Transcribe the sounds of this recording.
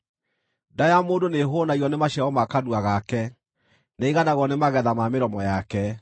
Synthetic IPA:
dajamoːndoneɦonaiɔnemaɕaɔmakaduaɣakɛ | neiɣanaɣwɔnemaɣɛðamameɾɔmɔjakɛ

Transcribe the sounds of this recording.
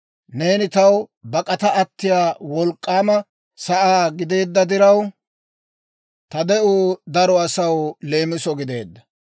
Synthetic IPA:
ne̞ːnɪt̪ɐwbɐkʼɐt̪ɐɐt̪ːɪjaːwɔlkʼːaːmɐ | sɐʔaːɡɪd̪e̞ːd̪ːɐd̪ɪɾɐw | t̪ɐd̪ɛʔuːd̪ɐɾɔɐsɐwle̞ːmɪsɔɡɪd̪e̞̰ːd̪ːɐ

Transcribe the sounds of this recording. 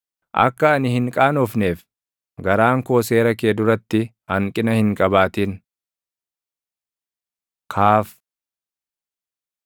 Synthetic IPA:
ʔɐ̰kːɐːnɪhɪŋkʼaːnɔfneːf | ɡɐɾaːŋko̞ːse̞ːɾɐkeːd̪ʊɾɐt̪ːɪ | ɐŋkʼɪnɐhɪŋkʼɐbaːt̪iːn | kʰaːf

